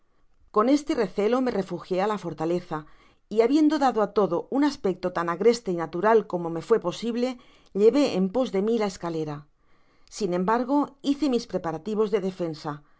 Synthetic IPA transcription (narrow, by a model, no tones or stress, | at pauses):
ko̞ne̞st̪e̞re̞θe̞lo̞me̞re̞fuxje̞alafo̞ɾt̪ale̞θa | iaβje̞nd̪o̞ðaðoat̪o̞ðo̞unaspe̞k̚t̪o̞t̪anaɣɾe̞st̪e̞inat̪uɾalko̞mo̞me̞fwe̞po̞siβle̞ | ʎe̞βe̞ʔempo̞zðe̞milae̞skale̞ɾa | sinẽ̞mbaɾɣo̞iθe̞mispɾe̞paɾat̪iβ̞o̞zðe̞ðefe̞nsa